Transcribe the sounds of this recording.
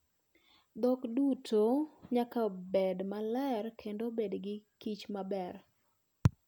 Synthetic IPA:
d̪ɔkdutʰoɲakabɛdmalɛrkʰendobedɡɪkit͡ʃmabɛr

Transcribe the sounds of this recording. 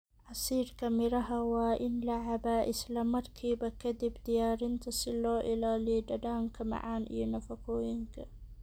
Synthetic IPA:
ʕasiːɾkʰɐmɪɾɐɦɐwaːʔɪnlaʕabaːʔɪslɐmɐrkʰiːbɐkʰɐd̪ɪbd̪ɪjaːɾɪnt̪ʰɐsɪlɔːʔɪlaːlɪɖɐɖaːŋkʰɐmɐ̰ʕa̰ːnʔḭjɔnɐfɐkʰoːjɪŋkʰɐ

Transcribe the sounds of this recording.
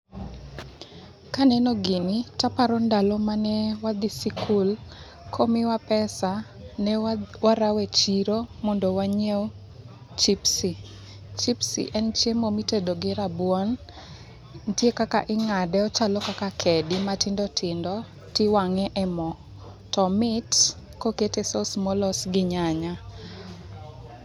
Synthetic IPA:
kanɛnɔɡinitapaɾɔndalɔmanɛwad̪isikʰul | kʰomɪwapɛsa | nɛwaɾawɛt͡ʃiɾomɔndɔwaɲew | t͡ʃipsi | t͡ʃipsḭʔɛnt͡ʃemomitedoɡɪɾabwɔn | ntjekaka̰ʔɪŋadɛɔt͡ʃalɔkakakʰɛdɪmatɪndɔtʰɪndɔ | tɪwaŋɛʔɛmɔ | tɔmɪt | koketesosmɔlɔsɡɪɲaɲa

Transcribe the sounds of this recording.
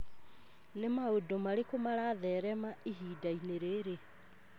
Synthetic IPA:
nemaodomaɾekomaɾaːðɛːɾɛmaʔiɦiːdaineɾeːɾe

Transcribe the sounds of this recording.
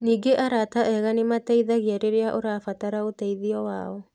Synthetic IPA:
niːɡeʔaɾataʔɛɣanimatɛiðaɣiaɾeɾeaʔoɾafataɾaotaiðiɔwa̰ːɔ

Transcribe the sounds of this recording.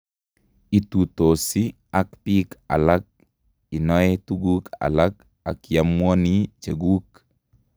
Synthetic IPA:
it̪ut̪osi | akpika̰lak̚ | inɔetuɡuka̰lak | a̰kjamwɔnit͡ʃeɡuk

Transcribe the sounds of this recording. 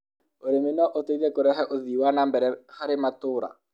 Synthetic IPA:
oɾemenɔʔotoiðɛkoɾɛɦɛʔoðiwanambɛɾɛhaɾematoɾa̰

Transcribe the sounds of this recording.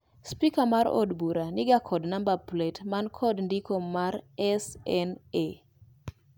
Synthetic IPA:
spikamaɾɔ̰dbuɾanɪɡakʰɔdnambaplɛtmankʰɔdndikomaɾɛsɛne

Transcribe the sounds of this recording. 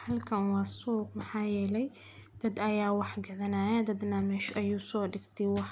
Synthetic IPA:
hɐlkʰɐwɑːsuːq̚mɐħɑːjɛːlɛj | d̪̥ɐd̪ɐjaːwɑħɡɐðɐnaːjɐd̪ɐd̪nɐmɛːʃʔɐjuːsɔːɖɪɡt̪ʰɛjwɑħ

